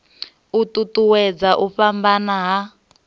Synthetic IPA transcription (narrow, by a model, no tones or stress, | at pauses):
utʼutuwɛd͡zaʔuɸambanaɦa